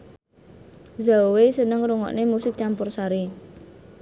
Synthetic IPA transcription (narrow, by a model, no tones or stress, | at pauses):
zawesənəŋruŋɔ̰ʔnemusɪk̚t͡ʃampʊrsaɾi